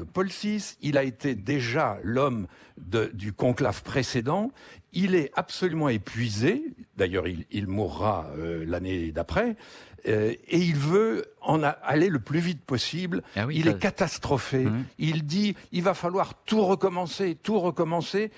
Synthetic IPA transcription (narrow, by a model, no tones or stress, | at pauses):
əpɔlsisilaet̪ed̪eʒalɔmd̪əd̪ykɔ̃klafpχesed̪ɑ̃ilɛapsɔlymɑ̃epɥized̪ajœ̰ʁililmuʁːa̰ølaned̪apχɛ | eilvøɑ̃naleləplyvit̪̚pɔsiblilɛkat̪ast̪χɔfeild̪iilvafalwaʁt̪uʁəkɔmɑ̃set̪uʁəkɔmɑ̃se